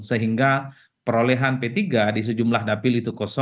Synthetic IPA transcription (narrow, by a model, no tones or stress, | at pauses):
səɦiŋɡa | pəɾolɛɦanpet̪iɡadis̬əd͡ʒumlahdapɪlit̪ukosɔ